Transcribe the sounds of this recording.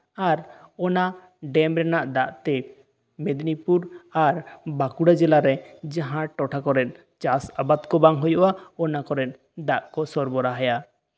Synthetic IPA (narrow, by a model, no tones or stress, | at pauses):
aɾɔna | ɖɛmɾɛnaʔd̪aʔt̪ɛ | med̪nipuɾaɾbakuɽad͡ʒɛlaɾɛd͡ʒaɦãʈɔʈʰakɔɾɛt̪̚ | t͡ʃasabad̪kɔbaŋɦojɔʔaɔnakɔɾɛt̪̚ | d̪aʔkɔsɔɾbɔɾaɦaja